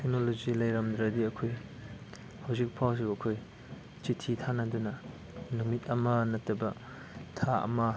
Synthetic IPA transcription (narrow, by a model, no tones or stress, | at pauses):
tʰek̚nolozilɐjɾɐmd̪ɾɐdiɐkʰoj | hawzik̚pʰaws̬uɐkʰoj | t͡ʃitʰitʰanɐdunɐ | numitɐmɐnɐtːɐbɐ | tʰaɐ̰mɐ